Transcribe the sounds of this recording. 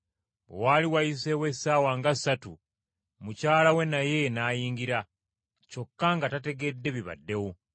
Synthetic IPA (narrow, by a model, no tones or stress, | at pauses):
o̰waliwajise̞wesaːwaŋɡasːatu | mucaːlawe̞naje̞najiːŋɡiɾa | t͡ʃo̞kːaŋɡatate̞ɡedːe̞βiβa̰dːe̞wo